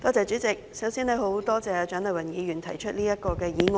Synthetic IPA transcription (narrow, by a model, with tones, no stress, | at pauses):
t̪ɔː˥t͡sɛː˨t͡ʃy˨˥t͡sɪ˨k̚sɐ˨˥wsiː˥ne˨˧jɦo˨˥wt̪ɔː˥t͡sɛː˨˧˨t͡ʃœ˨˥nlɐ˨˩wɐ˨˩njiː˨˧ɥyː˨˩nt̪ʰɐ˨˩jt͡ʃʰɵ˥t̚liː˥jɐ˥kɔː˧kɛː˧jiː˨˥ŋɔ˨